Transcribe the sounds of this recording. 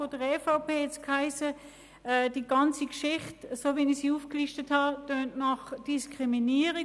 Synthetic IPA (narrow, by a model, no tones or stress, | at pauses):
odəʁɛfaʊpeːɛt͡skhaɪsə | ɛd̥iːɡɑnt͡sikʃɪχtsovinisiːuːfkliʃtəthɑd̥øːntnɑχd̥iskʁiminiːəʁi